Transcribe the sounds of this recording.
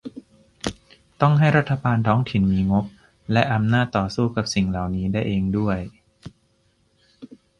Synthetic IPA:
t̪ɔ˥˩ŋɦa˥˩jɾa˦˥t̪ʰːa˧baː˧nt̪ʰɔː˦˥ŋt̪ʰi˨˩˦nmiː˧ŋo˦˥p̚ | lɛ˦˥ʔa˧mnaː˥˩t̪ːɔː˨˩suː˥˩ka˨˩p̚si˨˩ŋla˨˩wniː˦˥daː˥˩jʔeː˧ŋdu˥˩əj

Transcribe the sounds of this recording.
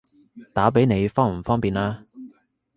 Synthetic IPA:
t̪aː˨˥p̬e˨˥jne˨˧jfɔː˥ŋm̩˨˩fɔː˥ŋpiː˨naː˧

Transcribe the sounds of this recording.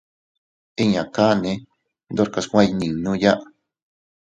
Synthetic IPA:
i˦ɲã˨ka˦nẽ˧˦ | nd̪o˦ɾka˧skʷã˦˧nĩ˨nũ˦ja˦ʔ

